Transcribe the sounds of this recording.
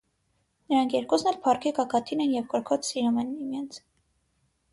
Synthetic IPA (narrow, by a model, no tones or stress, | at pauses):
nəɾɑŋkʰjɛɾkɔsnɛlpʰɑrkʰɛkɑkʰɑt̪ʰinɛnjɛvkɔɾkʰɔt͡ssiɾɑmɛnimjɛnt͡sʰ